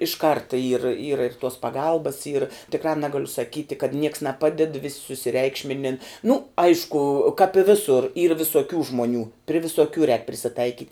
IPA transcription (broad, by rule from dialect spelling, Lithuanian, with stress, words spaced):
ɪʃ ˈkɐrtɐ iːr iːrɐ ɪr tuɔs pɐˈɡɐlˠbɐs iːr tʲɪkˈrɑː ˈnʲæːɡɐlʲʊ sɐˈkʲiːtʲɪ kɐt ˈnʲiɛks nʲɛˈpɑːdʲɛt ʋʲɪsʲ sʊsʲɪˈrʲɛɪkʃʲmʲɪnʲɪn nʊ ˈɐɪʃkʊ kɑːp ɪ ˈʋʲɪsʊr iːr ʋʲɪsuɔˈkʲuː ʒmuɔˈnʲuː pʲrʲɪ ʋʲɪsuɔˈkʲuː rʲɛːk pʲrʲɪsʲɪˈtɐɪkʲiːtʲ